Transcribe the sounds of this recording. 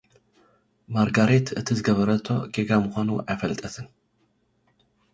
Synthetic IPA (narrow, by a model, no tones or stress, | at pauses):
maɾɡaɾet̪ɨt̪ʰizɨɡɐβɐɾɐt̪ʰːo̞̰ɡeɡamɨxʷanuʔajfɐlt̪ʼɐt̪ʰɨn